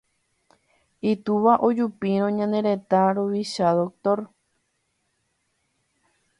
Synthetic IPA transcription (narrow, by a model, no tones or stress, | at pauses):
it̪uʋaʔod͡ʒupiɾ̃õɲãnd̪ẽ̞ɾe̞t̪aɾoʋiʃaðok̚t̪o̞ɾ